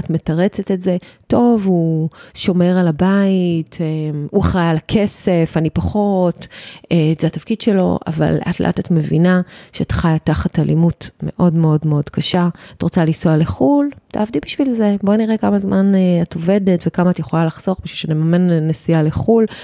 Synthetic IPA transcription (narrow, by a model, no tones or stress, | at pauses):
atme̞taʁe̞t͡setetze̞to̞vuʃo̞me̞ʁalabaitemuχajalakʰe̞se̞fanipaχo̞t | tzeatafkid̥ʃe̞lo̞̰ʔa̰va̰lːeʔatleʔa̰tatme̞vḭnaʃeatχajataχatalimutme̞̰ʔo̞dmeo̞dmeo̞dkaʃaatʁot͡salisoaleχulta̰ːvdibiʃvilze̞bo̞niʁekamazmʔanato̞ve̞de̞tvekamaːtjeχo̞lalaχz̥o̞ʁbiʃulʃeanimamenːesijaleχul